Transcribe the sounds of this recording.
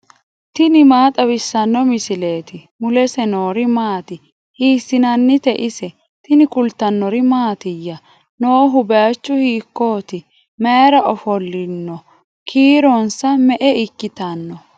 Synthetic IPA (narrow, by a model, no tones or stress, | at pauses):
t̪ɪnɪmaːt̪ʼɐwɪsːɐnːɔmɪsɪle̞ːt̪ɪ | mʊlɛsɛno̞ːɾɪmaːt̪ɪ | hiːsːɪnɐnːɪt̪ɛʔɪsɛ | t̪ɪnɪkʊlt̪ːɐnːɔɾɪmaːt̪ɪjːɐ | noːɦʊbeat͡ʃːʊhiːkːo̞ːt̪ɪ | meːɾɐʔɔfɔlːɪnːɔ | kʰiːɾɔnsɐmɛʔɛɪkːɪt̪ɐnːɔ